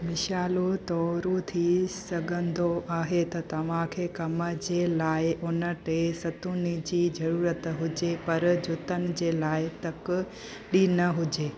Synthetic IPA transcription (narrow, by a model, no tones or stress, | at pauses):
mɪʃaːlot̪ɔːɾut̪ʰisɐɡʱə̃nd̪ʱoʔaːɦet̪ɐt̪ɐʋ̤ãkʰeːkɐməd͡ʑeːlaːɪʔʊnəʈesɐt̪unɪd͡ʑiːd͡ʑɐɾuːɾət̪ɦʊd͡ʑepɐɾd͡ʑʊt̪ənɪ̆d͡ʑeːlaːɪt̪ɐk | ɗinɐɦʊd͡ʑeː